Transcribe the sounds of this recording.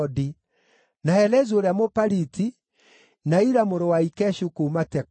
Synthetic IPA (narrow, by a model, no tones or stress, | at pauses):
di | naɛlɛzoɾɛamopaɾiti | naiɾamoɾɔwaikɛʃukoumatɛk